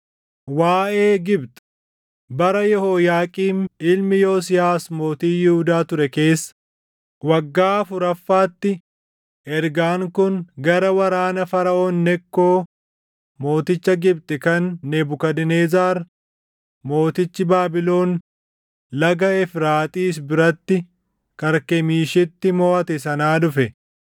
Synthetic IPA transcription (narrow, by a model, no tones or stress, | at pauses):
waːʔeːɡɪbt̪ɛ̥ | bɐɾɐjɔhoːjaːkʼiːnɪlmɪjoːs̬ɪjaːsmo̞ːt̪iːjɪhʊd̪aːt̪ʊɾɛke̞ːsːɐ̥ | wɐɡːaːɐfʊɾɐfːaːt̪ːɪ | ʔɛɾɡaːŋkʊnɡɐɾɐwɐɾaːnɐfɐɾɐʔoːnːɛkːo̞ː | mo̞ːt̪ɪt͡ʃːɐɡɪbt̪ʼɛkɐnːɛbʊkɐd̪ɪneːzaːɾ | mo̞ːt̪ɪt͡ʃːɪbaːbɪlo̞ːn | lɐɡɐɛfɾaːt̪ʼiːs̬bɪɾɐt̪ːɪ | kɐɾkɛmiːʃɪt̪ːɪmoːʔɐt̪ɛsɐnaːdʊfɛ